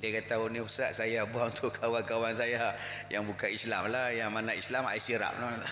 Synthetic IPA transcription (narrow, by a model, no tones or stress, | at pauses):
diakat̪aunisɾaʔsajabuaŋunt̪ʰʊʔkʰawankawansaja | jaŋbukanislamlajaŋmanaislama̰isiɾa̰pla